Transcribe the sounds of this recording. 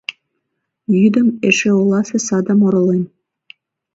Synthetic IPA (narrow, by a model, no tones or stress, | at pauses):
jyd̪ə̆meʃeulˠɑsesɑd̪ɑ̆moɾŏlen